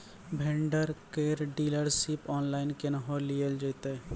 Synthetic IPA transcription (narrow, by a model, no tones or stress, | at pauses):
bʱẽɳɖəɾkeɾɖiːləɾsipɔːnlaːɪnkenəɦoliəld͡ʒəɪt̪e